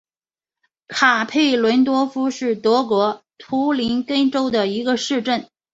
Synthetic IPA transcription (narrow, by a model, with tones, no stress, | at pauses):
kʰa˨˩pʰe˥˩ɪlwə˧˥nt̪wɔ˥fu˥ʂɻ̩˥˩t̪wɤ˧˥kwɔ˧˥t̪ʰu˧˥li˧˥nkə˥nʈ͡ʂo˥ʊd̪ə˨i˧˥ɡə˧ʂɻ̩˥˧ʈ͡ʂə˥˩n